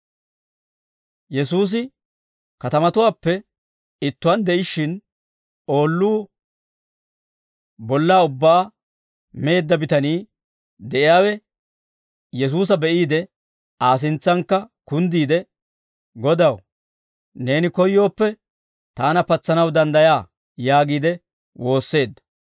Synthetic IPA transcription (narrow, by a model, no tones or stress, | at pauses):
jɛsuːs̬ɪ | kɐt̪ɐmɐt̪ʊwaːpːɛ | ɪt̪ːʊwɐnd̪ɛʔɪʃːɪn | o̞ːlːuː | bɔlːaːʊbːaː | me̞ːd̪ːɐbɪt̪ɐniː | d̪ɛʔɪjaːwɛ | jɛs̬uːs̬ɐbɛʔiːd̪ɛ | ʔaːs̬ɪnt͡sːɐŋkːɐkʊnd̪iːd̪ɛ | ɡɔd̪ɐw | ne̞ːnɪkɔjːo̞ːpːɛ | t̪aːnɐpɐt͡sːɐnɐwd̪ɐnd̪ɐjaː | jaːɡiːd̪ɛ | wo̞ːsːe̞ːd̪ːɐ̥